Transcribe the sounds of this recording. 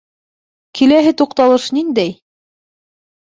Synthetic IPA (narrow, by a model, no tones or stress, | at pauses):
kʰilæɦɘt̪uqt̪ɑlˠɤʃnind̪æj